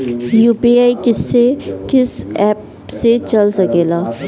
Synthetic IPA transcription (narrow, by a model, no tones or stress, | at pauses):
juːpiːaːikɪsːekɪsɛːp | set͡ʃɐlsɐkeːlaː